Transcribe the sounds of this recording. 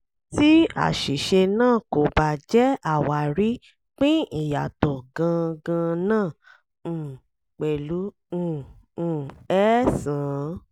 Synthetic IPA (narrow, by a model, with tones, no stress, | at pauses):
ti˦a̰˦˨ʃi˨ʃe˧nãː˦˨ko˨ba˨d͡ʒɛ˦a˦˨wa˨ɾi˨˦ | k͡pĩ˦i˦˨ja˨tɔ˨ɡã˧ɡã˧nãː˦˨ | k͡pɛ˨lũ˨˦˨ | ɛ˦sãː˨